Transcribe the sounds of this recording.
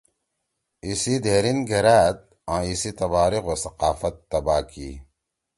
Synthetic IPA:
isid̪ʱeːɾinɡʱeɾaːt̪̚ | ãːisit̪ɐbaːɾiqwɐsɐqaːfɐt̪ːɐbaːkḭ

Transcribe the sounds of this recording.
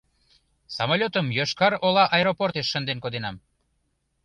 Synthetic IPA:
sɑmolʲot̪əmjoʃkɑɾolɑʔɑeɾoport̪eʃːənd̪enkod̪enɑm

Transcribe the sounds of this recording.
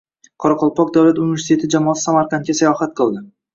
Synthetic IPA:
qʰɒɾɑqʰɒlˠpɒk̚d̪awlat̪univʲe̞ɾsit̪ʰe̞t̪ʰɪd͡ʒamɒːt̪ɪ̥samaɾkʰant̪̚kʲasajɒhat̪̚qʰɨlˠd̪ɪ

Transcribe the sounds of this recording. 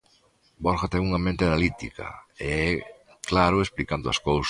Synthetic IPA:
bɔɾxat̪ɛŋuŋɐmẽnt̪eanalit̪ḭkɐ̰eɛ | klaɾʊesplikand̪ʊɐ̰skows

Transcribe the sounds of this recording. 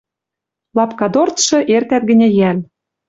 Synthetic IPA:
lɑpkɑd̪ort̪ʃɤ̆ʔert̪æt̪̚ɡɘ̆nʲĕjæl

